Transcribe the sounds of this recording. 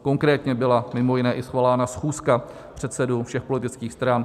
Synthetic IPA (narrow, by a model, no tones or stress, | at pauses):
ko̞ŋkɾɛːt̪ɲɛbɪlamɪmo̞jɪnɛːʔɪsxvaːlaːnasxuːska | pr̝̥ɛt̪sɛdufʃɛxpo̞lɪt̪ɪt͡skiːxst̪ɾan